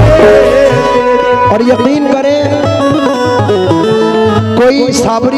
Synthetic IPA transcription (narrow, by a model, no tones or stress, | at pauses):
ɔːɾjɐqiːnkɐɾẽ | koːisaːbɾ